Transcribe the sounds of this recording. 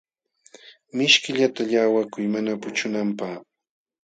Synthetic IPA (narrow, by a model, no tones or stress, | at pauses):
mɪʃkɪʎat̪aʎaːwakʊjmanapʊt͡ʃʊnampaχ